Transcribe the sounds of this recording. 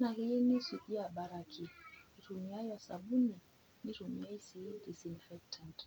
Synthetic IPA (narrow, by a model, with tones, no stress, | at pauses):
na˨ɣi˦e˦ni˦su˨ʔi˦a˨ɓa˨ɾa˨kʰi˨i˨ɾu˨mi˨˦a˦jwa˨sa̰˨ɓu˦ni˨ | ni˦ɾu˨mi˨a˦i˦si˨˦di˨si˨nfɛ˦k̚tʰa˨nt